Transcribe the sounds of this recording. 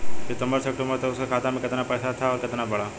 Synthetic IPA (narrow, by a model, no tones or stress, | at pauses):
d͡ʒet̪əməɾsʰɛk̚ʈomət̪əuskʰat̪amẽkət̪napəjsat̪ʰaɔɾkət̪nabəɭa